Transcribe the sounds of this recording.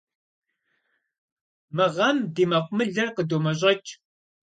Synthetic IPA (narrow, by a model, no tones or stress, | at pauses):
mɨʁɐmdiːmɐqʷʊmɨɮɐrqədomɐɕ̬ʼɐt͡ʃʼ